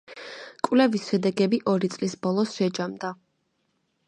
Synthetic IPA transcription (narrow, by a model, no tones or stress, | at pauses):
kʼwlɛvisʃɛd̪ɛɡɛbiʔɔɾit̪sʼlisbɔlˠɔsʃɛd͡ʒamd̪a